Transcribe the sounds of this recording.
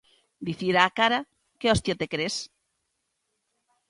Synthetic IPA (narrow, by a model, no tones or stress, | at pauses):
d̪iθiɾaːkaɾa | keɔst̪jot̪ekɾes